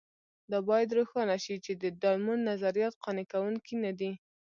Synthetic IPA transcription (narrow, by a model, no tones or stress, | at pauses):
d̪ɑbɑjad̪ɾoxɑnaʃit͡ʃed̪əd̪ɑlmunːazaɾijɑt̪qɑnekawuŋkinad̪i